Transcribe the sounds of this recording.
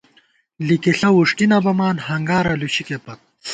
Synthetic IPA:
likiɬɐwuʂʈinɐbɐmaːnhɐŋɡaːɾɐluɕikepɐk̚

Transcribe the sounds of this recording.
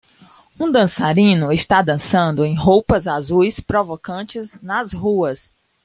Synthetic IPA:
ũd̪ɐ̃saɾĩnʊɪst̪ad̪ɐ̃sɐ̃nd̪ʊẽj̃ɦowpɐzazujspɾovokɐ̃t͡ʃɪznɐzɦuɐs

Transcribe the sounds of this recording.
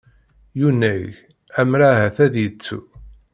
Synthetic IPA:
junːæʝ | æmɾaɦæθæðjət͡sːṵ

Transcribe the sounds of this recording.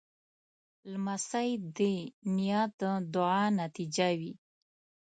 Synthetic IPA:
lmasajd̪enijɑt̪̚əd̪ʊʕɑnat̪id͡ʒawi

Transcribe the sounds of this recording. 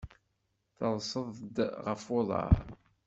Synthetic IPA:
θəðˤsəðˤd̪ʁəfʊðˤɑ̰ɾ

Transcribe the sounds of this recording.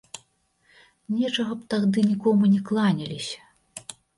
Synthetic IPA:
nʲɛt͡ʂɐɣɐpt̪aɣd̪ɨnʲikɔmunʲɛklˠanʲɐlʲisʲɐ̥

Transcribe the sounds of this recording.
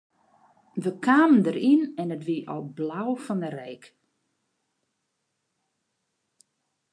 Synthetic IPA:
ʋəkʰaːməndəɾinɛnətʋiʔɔ̰lˠblawfɔnərɛjk

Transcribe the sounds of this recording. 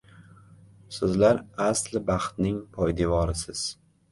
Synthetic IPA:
sɪzlaɾaslɪbɑχt̪nɪŋpʰɒjd̪evɒɾɪsɪz̥

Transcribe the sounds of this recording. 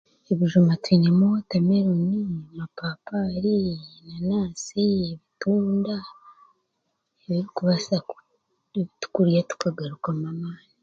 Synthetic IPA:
eβiʒumatwiːɲemuotame̞ɾonimapaːpaɾinanaːsieβituːnda | eβiɾikuβasa | βitu̥kuɾijatu̥kaɡaɾukamamaːni

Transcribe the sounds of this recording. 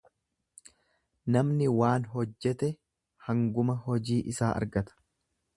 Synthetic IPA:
nɐmnɪwaːnɦɔd͡ʒːɛt̪ɛ | hɐŋɡʊmɐɦɔd͡ʒiːʔɪsaːʔɐ̰ɾɡɐt̪ɐ̥

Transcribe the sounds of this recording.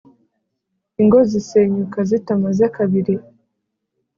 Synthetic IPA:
iŋɡoziseɲukazitamazakaβiɾi

